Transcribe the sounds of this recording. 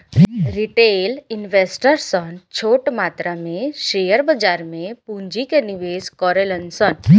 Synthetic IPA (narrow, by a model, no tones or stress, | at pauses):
ɾiʈelinʋesʈəɾsənt͡ʃʰoːʈmat̪ɾamẽʃejəɾbəd͡ʒaɾmẽpũɲd͡ʒikeniʋeːskɔɾelənsən